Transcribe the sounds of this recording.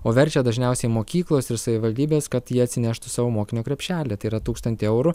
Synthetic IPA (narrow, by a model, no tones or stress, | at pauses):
oːʋʲɛɾʲt͡ʃʲɛd̪ɐʒʲnʲɛʊsʲɛɪmoːkʲiːklˠoːsɪɾsɐʋʲɪʋɐlʲd̪ʲiːbʲeːskɐt̪jiɛɐt̪ʲsʲɪnʲæʃt̪ʊsɑːʋoːmoːkʲɪnʲoːkɾʲɛpʲʃʲæːlʲet̪ɐɪiɾɐt̪uːkst̪ɐnt̪ʲɪɛʊɾʊ